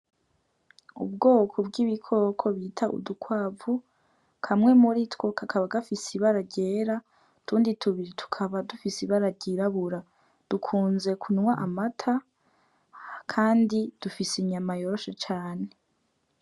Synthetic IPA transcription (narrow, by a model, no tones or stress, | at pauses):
ṵbɡo̞ːkʰo̞bɡiβikʰo̞kʰo̞βitʰaʔṵdukwaːvu | kʰamŋe̞muɾitwo̞kʰakʰaβaɡafisiβaɾaɾɟeːɾa | tuːnditʰuβiɾitʰu̥kʰaβadufisiβaɾaɾɟiɾaβuɾa | d̥ukʰuːnze̞kʰunwaʔamatʰa | kʰaːndid̥ufisiɲamajo̞ɾoʃet͡ʃaːne